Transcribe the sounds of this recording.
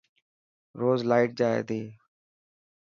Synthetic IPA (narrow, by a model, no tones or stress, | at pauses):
ɾoːzlaːɪʈ̚d͡ʒaːḛːd̪eː